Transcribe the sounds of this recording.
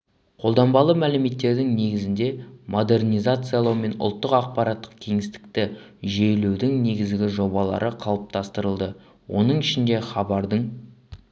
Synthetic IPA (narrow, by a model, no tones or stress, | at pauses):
qʰo̞lˠd̪ɑmbɑlˠəmælɪme̞t̪ːe̞ɾd̪ɪŋne̞ɡʲɪzɪnd̪e̞mʔo̞d̪e̞rnʲijzat̪sɨjɑlˠɑwme̞nʊ̰lˠt̪ːəqɑq̚pɑɾat̪ːəqkʲʰe̞ŋɪst̪ɪ̥k̚t̪ɪ | ʒejlewd̪ɪŋne̞ɡʲɪzɡʲɪʒo̞bɑlˠɑ̰ɾʔəqʰɑlˠəp̚t̪ʰɑst̪əɾəlˠd̪ə | wo̞̰nəɴɪʃɪnd̪e̞χɑbɑɾd̪əɴ